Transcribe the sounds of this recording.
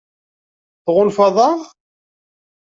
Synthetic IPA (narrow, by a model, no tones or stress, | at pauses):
θʁʊlfɑðˤɑʁ